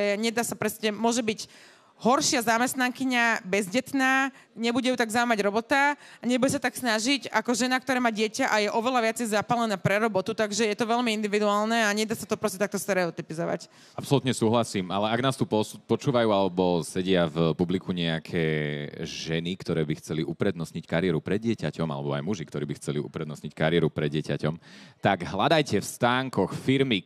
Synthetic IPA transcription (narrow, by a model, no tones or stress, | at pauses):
ɛɲɛd̪aːsapɾɛscɛmʊɔʒɛbiɟ | ɦɔɾʃɪazamɛst̪naŋkiɲabɛzɟɛt̪naːɲɛbuɟɛjuːt̪aɡzaʊmaɟɾɔbɔt̪aaɲɛbuɟɛs̬at̪aksnaʒiɟakɔʒɛnakt̪ɔɾɛːmaːɟɪɛcaʔajɛʔɔʋɛlaʋɪat͡sɛjzapalɛnɛːpɾɛɾɔbɔt̪ut̪aɡʒɛjɛt̪ɔʋɛʎmiind̪iʋid̪uaːlnɛaɲɛd̪aːsat̪ɔpɾɔscɛt̪ak̚t̪ɔst̪ɛɾɛɔt̪ipizɔʋa̰c | ʔapsɔlut̪ɲɛsuːɦlasiːmalɛaɡnaːst̪uːpɔupɔt͡ʃuːʋajuːalɛbɔsɛɟɪavpublikʰuɲɛakʰɛː | ʒɛnikt̪ɔɾɛːbixt͡sɛliʔupɾɛd̪nɔsɲickaɾɪɛɾupɾɛd̪ːɪɛcacɔma̰lɛbɔa̰jmuʒikt̪ɔɾiːbixt͡sɛliṵpɾɛd̪nɔstɲickaɾɪɛɾupɾɛd̪ɪɛca̰cɔmt̪aɡɦlad̪ajcɛfst̪aːŋkɔxfiɾmi